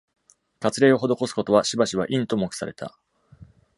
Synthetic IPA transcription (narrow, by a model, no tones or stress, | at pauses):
kat͡sɨɾe̞ːo̞ɦo̞d̪o̞ko̞sɨ̥ko̞t̪o̞βaɕibaɕiβaʔĩnt̪o̞mokɯ̟̥sa̰ɾe̞t̪ʰa̰